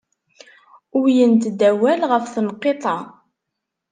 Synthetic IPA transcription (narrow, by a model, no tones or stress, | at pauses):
ʊɾjənt̪d̪æwælʁəfθənqːet̪ˤɑ